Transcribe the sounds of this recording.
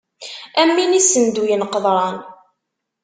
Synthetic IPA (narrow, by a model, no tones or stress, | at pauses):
æmːinisənd̪ujənqəðˤɾˤɑn